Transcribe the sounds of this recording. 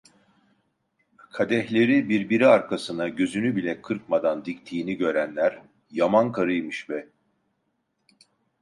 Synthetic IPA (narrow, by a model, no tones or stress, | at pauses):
kʰad̪ɛçlʲe̞ɾibiɾbiɾiaɾkʰasɯnaɟø̞zynybilʲɛkʰɯɾkmad̪and̪ict̪ʰiːniɟø̞ɾænlʲæɾ | jamankʰaɾɯjmɯʃvɛ